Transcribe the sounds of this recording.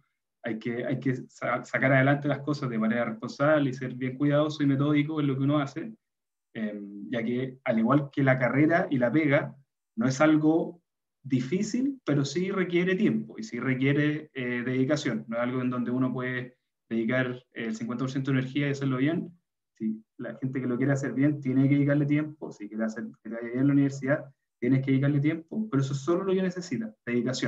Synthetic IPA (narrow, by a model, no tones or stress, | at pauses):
ajkea̰jkesasakaɾaðelant̪elahko̞sazðe̞maneɾarehpo̞nsaβleiseɾβjeŋkwiðaðosoime̞t̪̬o̞ðikoezlok̬eunoase | emʝakealiɣwalkelakare̞ɾaʔilapeɣa | noesalɣo | ðifisilpe̞ɾo̞sirekje̞ɾet̪je̞mpoisirek̬jeɾeeðeðikasjonːoesalɣoend̪o̞nd̪e̞unopweðe | ðeðikaɾeːlsiŋkent̪apoɾs̬et̪oeneɾxiaiaseɾloβjen | sila̰xent̪ekelokjeɾeas̬eɾβje̞nt̪je̞nek̬eikaɾlet̪̬je̞mposikjeɾeaseɾket̪eajaβjenelauniβeɾsiða | t̪jenekeeik̬aɾlet̪̬je̞mpopeɾoes̬oesːo̞lolokenesesit̪aðe̞ðikasjon